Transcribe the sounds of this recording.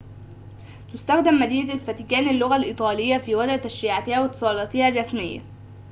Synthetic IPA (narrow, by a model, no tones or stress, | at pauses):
t̪ʊst̪æxd̪æmːæd̪iːnlfæt̪ikæːnɪlːʊɣælʔiːt̪ˤɑːlɪjːæfiːwæd̪ʕt̪æʃɾiːʕat̪ɪhæːwɪt̪ːɨ̥sˤɑːlɑːt̪ɪhærˤːɑsmɪjːæ̰